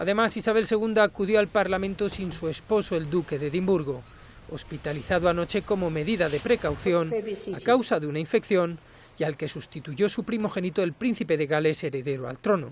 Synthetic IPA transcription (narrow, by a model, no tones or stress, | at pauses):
aðe̞masisaβ̞e̞lse̞ɣ̞und̪aːkuðjo̞alpaɾlamẽnt̪o̞sinsue̞spo̞soe̞ld̪uke̞ðe̞ðimbuɾɣo̞ | ospit̪aliθaðoano̞t͡ʃe̞ko̞mo̞me̞ðiðaðe̞pɾe̞kawθjo̞nakawsaðeunaiɱfe̞kθjo̞n | ialke̞sust̪it̪uʝo̞supɾimo̞xe̞nit̪oelpɾin̟θipe̞ðe̞ɣale̞se̞ɾe̞ðe̞ɾoa̰lt̪ɾo̞no̰